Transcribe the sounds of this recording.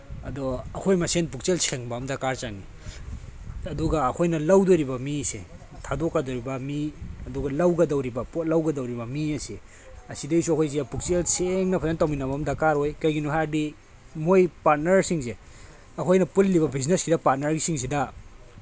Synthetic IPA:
ɐ̰doɐkʰojmɐsenpuk̚t͡ʃelseŋbɐɐmdɐkaɾt͡ʃaŋi | ɐduɡɐɐkʰojnɐlɐwdoɾibɐmisḛ | tʰadokːadoɾibɐmiɐduɡɐlɐwɡɐdɐwɾibɐpot̚lɐwɡɐdɐwɾibɐmiɐse | ɐsidejsuɐkʰojs̬iapuk̚t͡ʃelseŋnɐpʰazantawminɐbɐmdɐkaɾɦojkɐjɡinuɦadi | mojpat̚nɐɾsiŋse | ɐkʰojnɐpulːiβɐbʱizneskidɐpat̚nɐɾɡisiŋsidɐ

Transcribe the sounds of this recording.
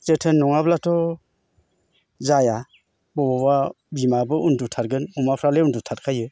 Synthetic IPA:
setʰenːɔŋablatʰɔ | zaja | bɔbɔba | bimabɯundutʰaɾɡɯnumapʰɾaleundutʰatkʰajɯ

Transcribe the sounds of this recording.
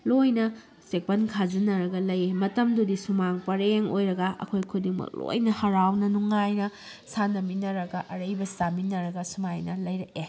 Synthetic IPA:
lojnɐ | sek̚pɐnkʰad͡ʒinɐɾɐɡɐlɐjemɐtɐmdudisumaŋpɐɾeŋo̰jɾɐɡɐʔɐ̰kʰojkʰudiŋmɐ̰k̚lo̰jnɐhɐɾawnɐnuŋajnɐ | sanɐminɐɾɐɡɐʔɐɾɐjbɐsaminɐɾɐɡɐsumajnɐlɐjɾɐke

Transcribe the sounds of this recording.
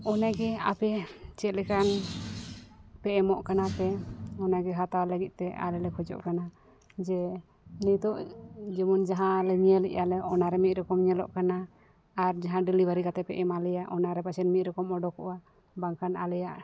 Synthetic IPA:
ɔnaɡɛa̰pɛt͡ʃɛt̪̚lɛkan | pɛʔɛmɔʔkanapɛɔnaɡɛɦat̪awaləɡit̪̚t̪ɛa̰lɛlɛkʰɔd͡ʒɔ̰ʔkana | d͡ʒɛ | nit̪ɔʔd͡ʒɛmɔnd͡ʒaɦãlɛɲiɛlɛ̰ʔjalɛɔnaɾɛmit̪̚ɾɔkɔmɲɛlɔ̰ʔkanaː | ɾd͡ʒaɦãɖilibaɾikat̪ɛpɛʔɛmalɛjaʔɔnaɾɛpat͡ʃʰɛnmit̪̚ˀɾɔkɔmɔɖɔkɔ̰wa | baŋkʰanalɛjaʔ

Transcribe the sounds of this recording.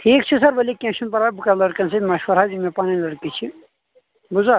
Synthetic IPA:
ʈʰiːkt͡ʃʰisɐɾʋɐlikʲẽnʃɐnpɐɾabukɐlɐɽkɐnsɐmɐʃʋɐɾɦazimepaːninlɐɽkit͡ʃʰi | buza

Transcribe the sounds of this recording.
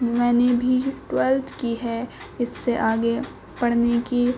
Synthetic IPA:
mɛ̃ːnebʱiʈwɛlt̪kiɦɛ | ɪsːeʔaːɡe | pɐɽneki

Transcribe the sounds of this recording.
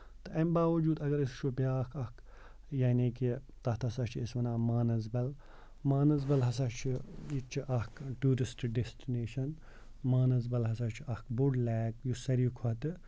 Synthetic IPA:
t̪ɨʔɐmbaːʋɐd͡ʒuːd̪ɐɡɐɾist͡ʃʰupjaːkʰɐk | jaːniːki | t̪ɐht̪ʰɐsɐt͡ʃʰiisʋɐnaːmaːnɐzbɐl | maːnɐzbɐlɦɐs̬ɐt͡ʃʰijit͡ʃʰiʔɐkʰʈuːɾisʈɖesʈineːʃɐn | maːnɐzbɐlɦɐsɐt͡ʃʰiʔɐkbuɽlɛːk̚jusɐɾikʰɔt̪ɨ

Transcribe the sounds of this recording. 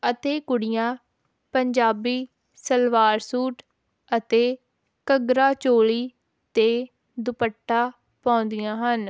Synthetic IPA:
ət̪eːkʊɽɪjãː | pəɲd͡ʒaːbiː | səlʋaːɾsuːʈ | ət̪eː | kəɡɾaːt͡ʃoːliː | t̪eː | d̪ʊpəʈːaː | pãːnd̪ɪjãːɦən

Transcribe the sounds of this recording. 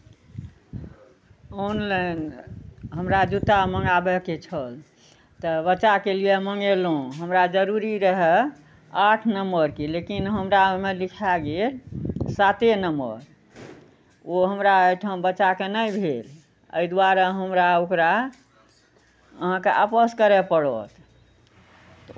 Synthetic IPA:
ɔnlan | ɦəmɾad͡ʒut̪aməŋɡabəket͡ʃʰəl | t̪əbəːt͡ʃakelijeməŋɡelõɦəmɾad͡ʒəɾuɾiɾəɦɛ | aʈʰnəmbəɾkelekinɦəmɾamelikʰaɡelsat̪enəmbə̰ɾ | oɦəmɾaəjʈʰə̃bəːt͡ʃakenəjbʱel | ə̰jd̪waɾəɦəmɾaokɾa | əɦãkeʔapəskəɾɛpəɽɔ̰t̪ʰ | t̪

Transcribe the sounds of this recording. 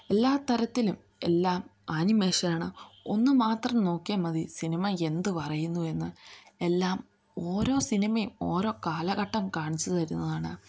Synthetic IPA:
e̞lːaːt̪ɐɾɐt̪ːilum | e̞lːaːmanimeːʂɐnaːɳɨo̞nːɨmaːt̪rɐmno̞ːkːijɐmɐðisinimɐe̞nd̪ɨpɐrɐjunːue̞nːɨe̞lːaːm | o̞ːɾo̞ːsinimɐjumo̞ːɾo̞ːkaːlɐɣɐʈːɐmkaːɳit͡ɕːut̪ɐɾunːɐðaːɳɨ

